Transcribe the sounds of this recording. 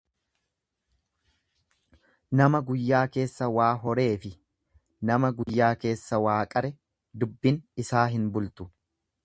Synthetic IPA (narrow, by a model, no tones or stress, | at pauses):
nɐmɐɡʊjːaːke̞ːsːɐwaːɦɔɾe̞ːfɪ | nɐmɐɡʊjːaːke̞ːsːɐwaːkʼɐɾɛ | d̪ʊbːɪnɪsaːɦɪnbʊlt̪ʊ̥